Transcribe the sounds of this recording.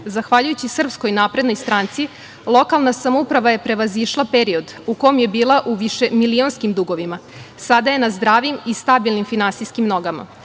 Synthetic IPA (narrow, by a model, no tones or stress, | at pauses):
zaxʋaʎujut͡ɕisr̩psko̞jnaːpɾe̞d̪no̞jst̪ɾaːnt̪si | lˠo̞kalˠnasamoupɾaʋaje̞pɾe̞ʋaziʃlˠapeɾio̞d̪ | uko̞omje̞biːlˠaʔuʋiʃe̞milio̞nskimd̪uɡo̞ʋimasad̪aje̞nazd̪ɾaːʋimist̪abilˠnimfinansijskimno̞ɡama̰